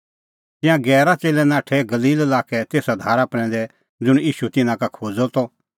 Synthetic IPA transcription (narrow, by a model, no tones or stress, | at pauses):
t̪ɪ̃jãɡɛːɾat͡seːlɛ̃nãːʈʰɛɡɐliːlɐlaːkɛt̪eːsad̪ʱaːɾapɾɛ̃ːn̆d̪ɛ | d͡zʊɽ̃iːʃut̪ɪnãkakʰoːd͡zɔt̪ɔ